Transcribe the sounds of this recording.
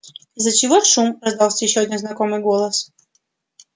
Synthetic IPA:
zət͡ɕɪvoʂumɾɐzd̪ɑlˠsʲəjɪɕːoɐdʲinznɐkomɨjɡolˠəs

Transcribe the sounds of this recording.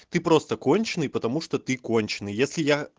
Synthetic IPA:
t̪ɨpɾost̪əkonʲt͡ɕɪnɨjpət̪ɐmuʂt̪ot̪ɨkonʲt͡ɕɪnɨjjesʲlʲɪja

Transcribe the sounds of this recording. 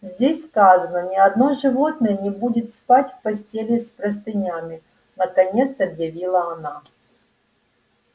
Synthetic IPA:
zʲdʲesʲskazənənʲɪɐd̪no̞ʐɨvo̞t̪nəjənʲɪbudʲɪt̪spatʲfpɐsʲtʲelʲɪspɾəs̬t̪ɨnʲamʲɪ | nəkɐnʲe̞t̪sɐbjɐvʲilˠəɐna

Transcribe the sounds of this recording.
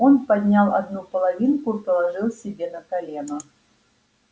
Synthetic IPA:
o̞npɐd̪ʲnʲalˠɐ̰d̪nupəlˠɐvʲinkʊipəlˠɐʐɨlˠsʲɪbʲenəkɐlʲenʊ

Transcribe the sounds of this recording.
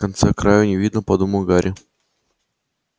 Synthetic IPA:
kɐnt̪sɛkɾajʊnʲɪvʲid̪nəpɐd̪umʊɡaɾʲʔɪ

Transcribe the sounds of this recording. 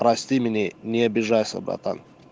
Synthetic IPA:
pɾɐsʲt̪ʲimʲɪnʲenʲɪɐbʲɪʐajsʲɐ̰bɾa̰t̪a̰n

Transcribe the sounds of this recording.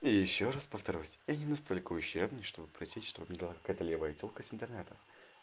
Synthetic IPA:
iɪjɪɕːoraspəft̪ɐɾʲusʲjanʲɪnɐst̪o̞lʲkəʊɕːerbnɨjʂt̪o̞bɨpɾɐsʲitʲʂt̪o̞bɨmnʲɛbɨlˠakɐ̥kajət̪əlʲevəjətʲolˠkəsʲɪnt̪ɨrnɛt̪ə

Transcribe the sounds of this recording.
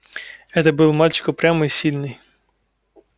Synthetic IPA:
ɛt̪ɐbɨlˠmalʲt͡ʃɪ̥kɔpɾʲamɔisʲilʲnɪj

